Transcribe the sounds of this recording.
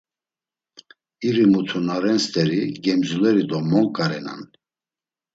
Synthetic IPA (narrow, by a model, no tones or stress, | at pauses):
iɾimut̪ʰunaɾɛnst̪ʼɛɾiɡɛmzulɛɾid̪ɔmɔŋkʼaɾɛna̰n